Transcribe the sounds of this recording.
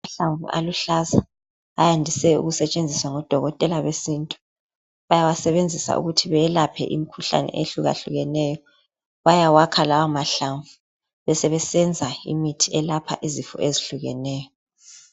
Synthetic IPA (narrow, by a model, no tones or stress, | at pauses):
amaɬaɱvṵʔa̰luɬaza | ajandʱisɛṵɣusɛt͡ʃʼend͡zʱiswaŋɔd̥ʱɔɣɔtʼɛlaβesintʼu̥ | βajawasɛβend͡zʱisa̰ʔṵɣutʰiβɛlapʰɛ̰ʔḭmikʰuɬa̰nɛ̰ʔeɬuɣa̰ɬuɣɛnɛjɔ | βajawakʰalawamaɬaɱvu | βɛsɛβɛsɛnd͡zʱaḭmitʰiɛlapʰa̰ʔizifɔ̰ʔeziɬuɣɛ̰nɛːjɔ